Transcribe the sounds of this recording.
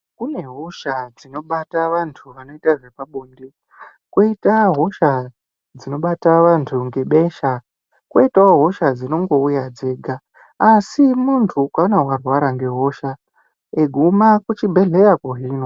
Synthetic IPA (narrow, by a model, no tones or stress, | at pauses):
kune̞ɦoʃad͡zino̞ɓataʋantʰuʋano̞itaʐe̞paɓuːndi | kwoitaɦo̞ʃa | d͡zino̞ɓataʋantʰuŋɡe̞ɓe̞ʃa | kweitaoɦo̞ʃad͡zino̞ŋɡo̞ujad͡ze̞ːɡʱaː | simuntʰukaonawarwaɾaŋɡe̞ɦo̞ʃa | eɡʱumakut͡ʃibʱe̞ɮe̞jakoɦiːno̞